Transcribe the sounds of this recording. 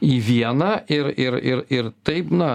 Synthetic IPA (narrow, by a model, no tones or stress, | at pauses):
iʋʲiɛnɐʔɪɾɪɾɪɾɪɾt̪ɐɪpnɐ